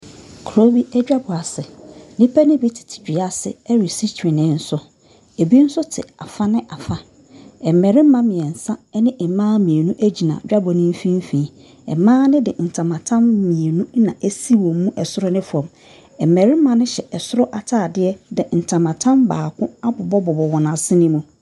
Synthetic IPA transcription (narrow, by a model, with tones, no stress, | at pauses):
kʰɾo˦bi˦æ˦d͡ʑᶣa˦bɔ˨a˨sɪ˨nĩ˦pʰæ˦nɪ̃˦bi˦tʰɪ̥˨tʰi̥˨bᶣi˨a˦sɪ̰˨ɛ˦ɾi˨si˦tʰɪ̃˨nɪ̃˨˦˨n̩˦sʊ˦ | e˨bi˦n̩˦sʊ˦tʰɪ̰˨a̰˨fa˦nɪ̃˦ʔa˨fa˦ | ɛ˨mɛ˨ɾɪ̃˦mã˦mɪ̃˨ɛ˨n̩˨sã˦nɪ̃˦ʔɛ˨mãː˦mĩ˨e˨nũ˦ʔæ˦d͡ʑi˨nã˨d͡ʑᶣa˦bɔ˨nɪ̃˦m˦fĩ˦m˦fĩ˨˦ | ɛ̰˨mãː˦nɪ̃˦dɪ˨n̩˨tʰã˨mã˨tʰã˦mːĩ˨e˨nũ˦nã˨ʔæ˦si˦wɔ̃˨mː˦ũ˦ʔɛ˨sʊ˦ɾɔ˦nɪ̃˦fɔ̃˨m | ɛ˨mɛ˨ɾɪ˦mã˨nɪ̃˦ɕɛ˨ʔɛ˨sʊ˦ɾɔ˦ʔa˨tʰaː˦˨dɪ˦ɛ˦dɪ˨n̩˨tʰã˨mã˨tʰã˦mbaː˨kʰʊ̃˦a˦bʊ˨bɔ˦bɔ˨bɔ˨wɔ˨nã˨sɪ˦nɪ̃˦mũ˦˨